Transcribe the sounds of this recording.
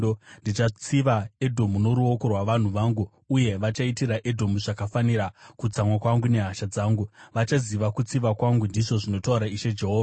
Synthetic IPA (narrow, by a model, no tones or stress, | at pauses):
ndit͡ʃat͡siʋaedʱo̞muno̞ɾuo̞ko̞rwaʋan̤uʋaːŋɡuː | je̞ʋat͡ʃaitiɾaʔe̞dʱo̞muʐakafaniɾakut͡samwakwaŋɡune̞ɦaʃad͡zaːŋɡuʋat͡ʃaziʋakut͡siʋakwaŋɡundiʐo̞ʐino̞tauɾaiʃe̞d͡ʒe̞ɦoːʋaa